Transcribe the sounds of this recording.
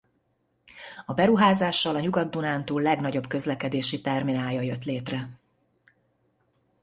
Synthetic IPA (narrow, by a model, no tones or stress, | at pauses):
ɒbɛɾuɦaːzaːʃːɒlɒɲuɡɒd̪ːunaːnt̪uːlːɛɡnɒɟo̞bkø̞zlɛkɛd̪eːʃit̪ɛrminaːjɒjøt̪leːt̪rɛ